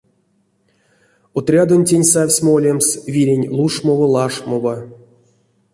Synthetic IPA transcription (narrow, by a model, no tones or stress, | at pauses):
ot̪rʲad̪onʲtʲenʲsafʲsʲmoolʲemsvʲiɾʲenʲlˠuʂmovɤlˠɑʂmova